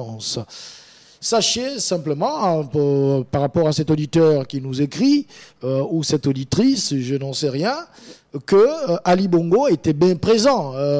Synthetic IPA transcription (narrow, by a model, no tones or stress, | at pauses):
s | saʃesɛ̃pləmɑ̃ | paʁːapɔʁasɛt̪od̪it̪œʁkʲinuzekχiøusɛt̪od̪it̪χisʒənɑ̃sɛʁjɛ̃ | kəʔalibɔ̃ɡoet̪ɛbjɛ̃pχezɑ̃ø